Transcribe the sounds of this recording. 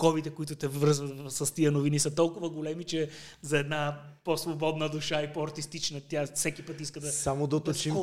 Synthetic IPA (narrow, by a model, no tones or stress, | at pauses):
kɔbit̪ɛkʊit̪ʊt̪ɛvɤɾzvət̪sɐst̪iənovinisɐt̪ɔlˠkʊvɐɡolɛmit͡ʃɛ | zɐɛd̪na | posvobɔd̪nəd̪uʃaipɔɐɾt̪ist̪it͡ʃnət̪ʲafsɛkʲipɤt̪iskəd̪ɐsamod̪ɐot̪ot͡ʃim